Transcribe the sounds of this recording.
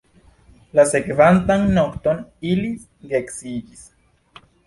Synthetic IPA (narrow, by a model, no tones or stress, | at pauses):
lasekeβant̪aŋnokt̪onilis | ɡeksijis